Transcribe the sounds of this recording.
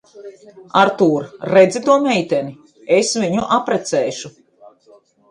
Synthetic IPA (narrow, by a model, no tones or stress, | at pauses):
aɾt̪uːɾːɛd̪zit̪uɔmɛjt̪ɛni | esviɲuʔapɾɛt̪sɛːʃu